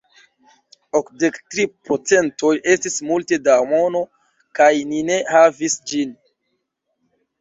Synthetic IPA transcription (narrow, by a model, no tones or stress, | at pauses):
okde̞ktɾipot͡se̞nto̞je̞stismulte̞damo̞no̞ | kajnine̞havisd͡ʒin